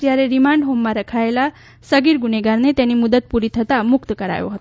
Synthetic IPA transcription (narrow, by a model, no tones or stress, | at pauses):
iaɾeɾimaɳɖɦomːaɾəkʰajela | səɡiɾɡuneɡaɾnet̪janimud̪ət̪̚puɾit̪ʰət̪amukt̪əkəɾa̰jo̰ɦət̪